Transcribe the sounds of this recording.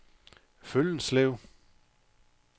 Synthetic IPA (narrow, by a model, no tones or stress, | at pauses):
føln̩sleʊ̰